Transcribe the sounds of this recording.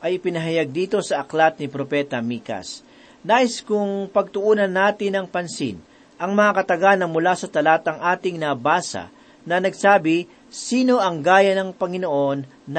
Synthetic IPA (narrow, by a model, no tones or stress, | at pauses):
ʔɐjɪpɪnɐɦɐjaɡ̚d̪iːt̪o̞sɐʔɐklat̪̚nɪpɾopɛːt̪ɐmiːkɐ̰s | naːʔɪskʊŋpɐɡ̚t̪ʊʔuːnɐnːaːt̪ɪnɐŋpɐnsɪ̰n | ʔɐŋmɐŋakɐt̪ɐɡanɐmʊlaːsɐt̪ɐlaːt̪ɐŋʔaːt̪ɪŋnɐbaːsɐ̰ | nɐnɐɡsaːbɪ | siːno̞ɐŋɡaːjɐnɐŋpɐŋɪnoʔo̞nː